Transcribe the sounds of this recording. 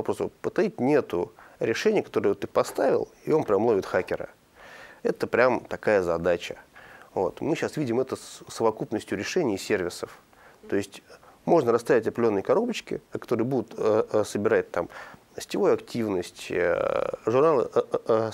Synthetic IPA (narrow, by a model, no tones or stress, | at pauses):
vɐpɾo̞svopət̪ɐit̚ʲnʲe̞t̪ʊɾʲɪʂɛnʲɪjəkɐ̥t̪o̞ɾɨjt̪ɨpɐst̪avʲɪ̰lˠɪo̞npɾʲamːlˠovʲɪt̪xakʲɪɾə̰ | ɛt̪əpɾʲamt̪ɐkajəzɐd̪at͡ɕəvo̞̰t̪mɨɕasvʲidʲɪmɛt̪əsːəvɐkupnəsʲtʲjʊɾʲɪʂɛnʲɪsʲe̞rvʲɪsəf | t̪o̞ɪsʲtʲmo̞ʐnəɾɐst̪avʲɪtʲɐplʲo̞nːəjkɐɾo̞bət͡ɕkʲɪ̰kɐ̥t̪o̞ɾɨjbud̪ʊt̪əsəbʲɪɾat̚ʲt̪ːam | sʲtʲɪvojʊɐktʲivnəsʲtʲ | ʐʊrnalˠə